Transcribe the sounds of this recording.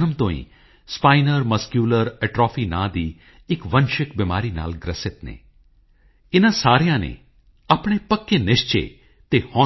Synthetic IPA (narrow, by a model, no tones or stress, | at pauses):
nəmt̪õːḭ̃ː | spaːɪnəɾməskjuːləɾɛʈɾɔːpʰiːnã̰ːd̪iː | ɪkʋənʃɪkbɪmaːɾiːna̰ːlɡɾəsɪt̪nḛː | ɪnãːsaːɾɪjãːnḛː | apɽ̃eːpəkːeːnɪʃt͡ʃḛː | t̪eːhɔ̃ː